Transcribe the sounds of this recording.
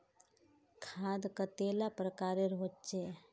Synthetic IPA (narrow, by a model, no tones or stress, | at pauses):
kʰaːd̪kat̪eːlapɾəkaːɾeɾoːt͡ʃe